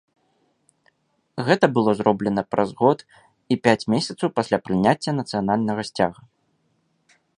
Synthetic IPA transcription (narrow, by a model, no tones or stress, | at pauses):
ɣɛt̪ɐbɨlˠɔzrɔblʲɛnɐpɾʔɐzɣɔt̪ | ipʲat͡sʲmʲesʲɐt̪sɐwpasʲlʲapɾɨnʲat͡sʲːɐnɐt̪sɨjanalʲnɐɣɐsʲt͡sʲaɣɐ